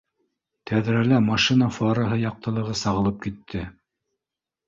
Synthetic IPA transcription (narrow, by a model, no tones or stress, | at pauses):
t̪ʰæðɾælæmɑʃinɑfɑɾɑɦɤjɑq̚t̪ɤ̆lˠɤ̆ʁɤsɑʁɤ̆lˠɤp̚kit̪ʰːɘ